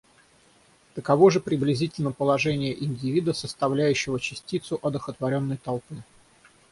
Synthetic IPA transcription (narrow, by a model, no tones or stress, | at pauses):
t̪əkɐvo̞ʐɨpɾʲɪblʲɪzʲitʲɪlʲnəpəlˠɐʐɛnʲɪjəʔɪnʲdʲɪvʲid̪əsəst̪ɐvlʲæjʉɕːɪvət͡ɕɪsʲtʲit̪sʊʔɐd̪əxət̪vɐɾʲo̞nːəjt̪ɐlˠpɨ